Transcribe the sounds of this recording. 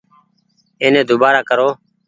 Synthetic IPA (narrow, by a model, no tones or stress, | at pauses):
eːnẽːd̪ʊbaːɾaːkəɾoː